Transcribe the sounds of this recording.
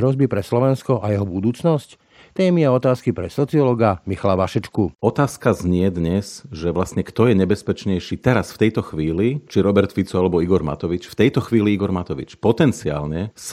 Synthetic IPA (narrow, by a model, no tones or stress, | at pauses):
ɦɾɔzbipɾɛslɔʋɛnskɔʔajɛɦɔbud̪uːt͡snɔsc | t̪ɛːmiaɔt̪aːskipɾɛsɔt͡siɔlɔɡamixalaʋaʃɛt͡ʃkuɔt̪aːskazɲɪɛd̪ɲɛsʒɛʋlast̪ɲɛkt̪ɔjɛɲɛbɛspɛt͡ʃɲɛjʃiːt̪ɛɾasft̪ɛjt̪ɔxʋiːlit͡ʃiɾɔbɛɾt̪fit͡sɔalɛbɔiɡɔɾma̰t̪ɔʋit͡ʃft̪ɛjt̪ɔxʋiːliiɡɔɾmat̪ɔʋḭt͡ʃpɔt̪ɛnt͡sia̰ːlɲɛs